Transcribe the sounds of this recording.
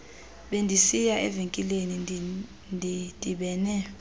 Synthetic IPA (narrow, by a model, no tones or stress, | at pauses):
ɓendʱisijaʔɛ̰veŋkʼileni | ndʱid̥ʼʱiɓɛːnɛ